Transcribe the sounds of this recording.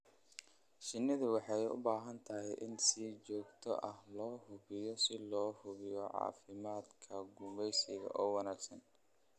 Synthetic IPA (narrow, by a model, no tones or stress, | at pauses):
ʃɪnːɪðʊwɑħɑjʊ̰baːɦɐnt̪ʰɐɦɛjʔɪnsiːt͡ʃɔːɡt̪ʰɔ̰ʔɐhlɔːhʊβɪjɔsɪlɔːhʊβɪjɔʕɑ̰ːfɪmaːd̪kʰɐɡʊmɛjsɪɣɐ̰ʔɔːwɑnaːɡsɐn